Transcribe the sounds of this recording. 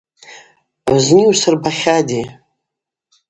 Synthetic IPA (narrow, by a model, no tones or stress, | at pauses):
ʕzniwsɨrbaχʲadi